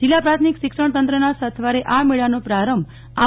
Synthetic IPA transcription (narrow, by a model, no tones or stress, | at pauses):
d͡ʒilːapɾat̪ʰmikʃɪkʂəɳ̃t̪ənt̪ɾənasət̪ʰʋaɾeʔameɭanopɾaɾəmb | a